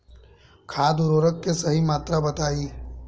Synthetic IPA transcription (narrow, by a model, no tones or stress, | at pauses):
kʰaːd̪ʊɾoːɾəkːesɐɦimaːt̪ɾabɐt̪aːiː